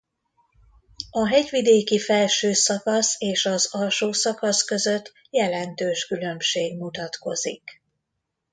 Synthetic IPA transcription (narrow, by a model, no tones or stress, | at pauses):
ɒɦɛɟʋid̪eːkifɛlʃøːsɒkɒseːʃɒzɒlʃoːsɒkɒskø̞zø̞t̪ː | jɛlɛnt̪øːʃkylø̞mʃeːɡmut̪ɒt̪ko̞zḭk